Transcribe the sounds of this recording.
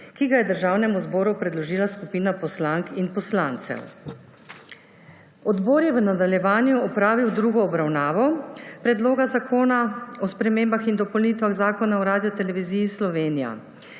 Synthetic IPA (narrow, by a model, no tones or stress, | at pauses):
kiɡajɛd̪əɾʒaːwnɛmuzbɔːɾupɾɛd̪lɔʒiːlaskupiːnapɔslaŋkinpɔslaːnt̪sɛ̰w | ɔd̪boːɾjɛʋənad̪aljɛʋaːnjuɔpɾaːʋiwd̪ɾuːɡɔːbɾawnaːʋɔpɾɛd̪loːɡazakoːnaɔspɾɛmeːmbaxind̪ɔpɔwnit̪ʋaɣzaːkɔnaɔɾaːd̪ijɔt̪ɛlɛʋiziːjislɔʋeːnija̰